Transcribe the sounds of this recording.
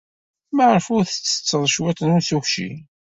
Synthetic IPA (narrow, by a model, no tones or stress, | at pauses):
maʕəɾfʊɾθə̥t͡sːə̥t͡sːəðˤʃwæt̪nʊnθuçʃḭ